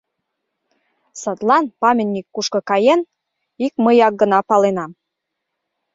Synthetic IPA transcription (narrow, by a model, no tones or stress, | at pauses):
sə̆t̪lɑnpɑmʲenʲːikːuʃkɤ̆kɑjen | ikməjɑk̚ɡə̆nɑpɑlenɑm